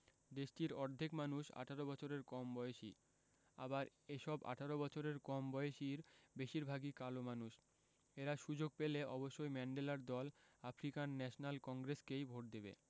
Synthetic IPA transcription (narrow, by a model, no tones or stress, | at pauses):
d̪eʃʈiɾɔɾd̪ʱikmanuʃa̰ʈʰaɾobɔt͡ɕʰoɾeɾkɔmbɔeeʃḭ | a̰baɾ | eʃɔba̰ʈʰaɾobɔt͡ɕʰoɾeɾkɔmbɔeeʃiɾbeʃiɾbʱaɡikalomanuʃ | eɾaʃud͡ʑoɡ̚peleɔboʃːojmɛɳɖelaɾd̪ɔlafɾikanːɛʃonalkɔŋɡɾeskejbʱoʈ̚d̪ebḛ